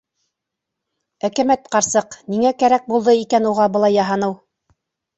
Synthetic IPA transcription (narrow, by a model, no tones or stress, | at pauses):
ækæmæt̪qɑɾsɤqniŋækæɾæk̚bulˠd̪ɤikænuʁɑbɤ̆lˠɑjːɑɦɑnɤw